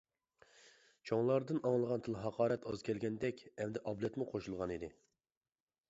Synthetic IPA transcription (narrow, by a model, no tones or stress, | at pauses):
t͡ʃʰoŋlˠɑɾd̪ɨnɑŋlˠəʁɑnt̪ʰɨlˠɦɑqʰɑːɾɛt̪ɑz̥kʲʰɛlɡʲɛnd̪ɛkʲɛmd̪ɛʔɑblˠɛt̪muqʰoʃulˠʁɑnid̪ɪ